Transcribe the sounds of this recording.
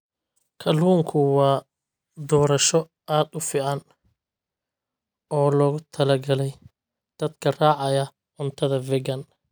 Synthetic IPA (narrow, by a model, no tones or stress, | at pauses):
kʰɐluːŋkʰʊwɑː | d̪ɔːɾɐʃɔ | ʔaːd̪ʊfiːʕɑn | ɔːlɔːɣʊt̪ʰɐlɐɡɐlɛj | d̪̥ɐd̪kʰɐraːʕɑjɐ | ʕʊnt̪ʰɐðɐvɪɡɐn